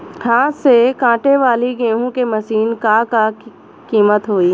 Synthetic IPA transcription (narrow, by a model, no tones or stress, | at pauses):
hʰãːsekãːʈeʋaːliɡẽːɦũkemɐsiːnkaːka | kiːmət̪ɦoːiː